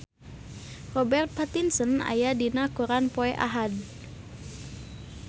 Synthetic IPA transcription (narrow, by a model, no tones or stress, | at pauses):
rɔbɛrt̪̚pat̪insəna̰jadinakuɾanpɔɛʔa̰ɦad